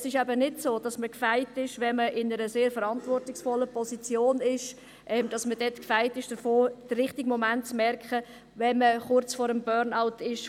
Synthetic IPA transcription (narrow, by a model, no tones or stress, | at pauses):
sɪʃæbənɪtsoːd̥ɑsməkfæɪtɪʃʋɛməʔɪnəɾəseːɾfəɾɑntvɔrtɪksfɔlːəpʰɔsit͡sjoːnɪʃ | ʔɛːmd̥ɑsməd̥ɛtkfaɪtɪʃd̥əfoːd̥əɾɪχtɪɡmɔmæntt͡smɛɾkχə | vɛnməχʊɾt͡sfɔːɾəmbœːɾnaʊtɪʃ